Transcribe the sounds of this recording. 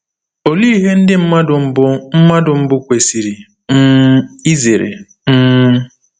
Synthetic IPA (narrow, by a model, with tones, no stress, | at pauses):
o˨li˦i˦ɦe˦n̩˦dɪ˦m̩˦ma˦ʊ˨m̩˦bʊ˦m̩˦ma˦dʊ˨m̩˦bʊ˦kʷe˨si˨ɾi˨ | m̩˦i˦ze˨ɾḛ˨ | m̩˦